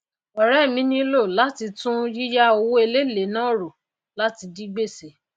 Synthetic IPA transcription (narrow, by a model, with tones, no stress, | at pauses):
ɔ˨ɾɛ˦˨mĩ˨˦nĩ˦lo˦˨la˦ti˧tũ˦ji˦ja˦o˧wo˦e˧le˦˨le˨˦nãː˦˨ɾo˨ | la˦ti˧di˦ɡ͡be˦˨se˨˦